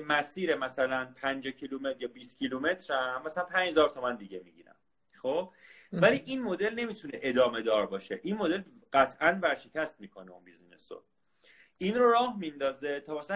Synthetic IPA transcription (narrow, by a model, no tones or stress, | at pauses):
mæsiːɾemæsælænpʰænd͡ʒɒcʰilume̞t̪ɾjɒːbiːst̪cʰilume̞t̪ʰɾæmæsælænpʰæɲd͡ʒhezɒːɾt̪ʰo̞mænd̪iɟe̞miɡɟḭːɾæ̰m | xob̥ | væliːʔinmo̞d̪e̞lne̞miːt̪ʰune̞ʔed̪ɒːme̞d̪ɒːɾbɒːʃeʔinmo̞d̪e̞lɢ̥æt̪ʰʔænvæɾʃe̞cʰæst̪miːkʰoneṵnbizinḛso̰ | ʔinroɾɒːhmind̪ɒːzet̪ʰɒːmæsæ